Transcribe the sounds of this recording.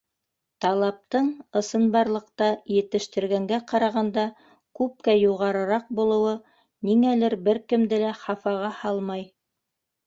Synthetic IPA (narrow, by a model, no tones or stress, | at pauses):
t̪ɑlˠɑp̚t̪ɤɴɤ̆sɤ̆nbɑɾlˠɤ̆qt̪ɑjɘ̆t̪ɘ̆ʃt̪ɘ̆ɾɡæŋɡæqɑɾɑʁɑnd̪ɑ | kʉp̚kæjuʁɑɾɤ̆ɾɑq̚bulˠɤ̆wɤ | niŋælɘɾbɘɾkɘ̆md̪ɘlæχɑfɑʁɑhɑlˠmɑj